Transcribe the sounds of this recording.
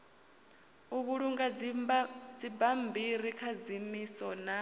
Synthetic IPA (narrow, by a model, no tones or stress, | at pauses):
uβuɺuŋɡa | d͡zibambʱiɾikʰad͡zimisɔna